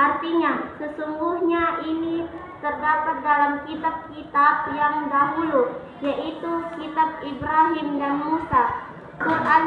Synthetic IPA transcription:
art̪iɲasəsuŋɡuhɲaʔinit̪ərdapat̪̚dalamkit̪ap̚kit̪ap̚jaŋdaɦulu | jaʔit̪ukit̪ap̚ibɾaɦɪmdanmusa | kurʔan

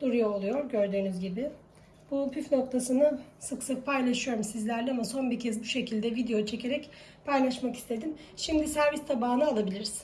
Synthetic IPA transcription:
d̪uɾujoːlˠujo̞ɾɟø̞ɾd̪yːnyzɟibɪ | b̥upʰyfno̞k̚t̪ʰasɯnasɯksɯk̚pʰajlˠaʃɯjo̞ɾumsizlʲæɾlʲɛamaso̞nbicʰɛzbuʃe̞cʰilʲd̪ɛvid̪ejo̞t͡ʃʰe̞cʰe̞ɾɛc | pʰajlˠaʃmaki̥st̪ʰe̞d̪im | ʃimd̪isæɾvist̪ʰabaːɯnɯalˠabilʲiɾiz̥

